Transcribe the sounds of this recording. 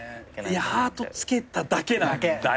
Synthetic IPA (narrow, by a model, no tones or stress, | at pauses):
jahaːt̪o̞t͡sɨ̥ke̞t̪ad̪ake̞nã